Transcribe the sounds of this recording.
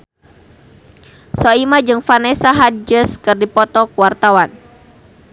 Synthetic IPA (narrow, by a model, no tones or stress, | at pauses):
sɔimad͡ʒɨŋfanɛsaɦad͡ʒəskɨrdipɔt̪ɔkuwart̪awan